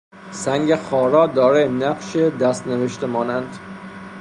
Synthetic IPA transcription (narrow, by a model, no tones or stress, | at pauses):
sæŋɡexɒːɾɒːd̪ɒːɾenæqʃed̪æst̪neveʃt̪emɒːnænd̪̥